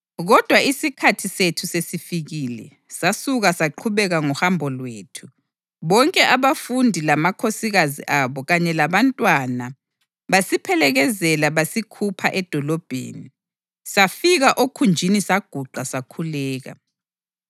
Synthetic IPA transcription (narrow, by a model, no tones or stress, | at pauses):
ɣɔd̥ʱwaisikʰatʰisetʰusesifiɣiːlɛ̰ | sasuɣasaǃʰuβɛɣaŋɔhambʱɔlweːtʰu̥ | βɔŋkʼɛʔaβafundʱilamakʰosiɣazḭʔaβɔɣaɲɛlaβantʼwana | βasipʰɛlɛɣɛzɛlaβasikʰupʰaʔɛd̥ʱɔlɔb̥ʱḛːni | safiɣaʔokʰund͡ʒʱinisaɡ̥ʱuǃʱasakʰulɛːɣa̰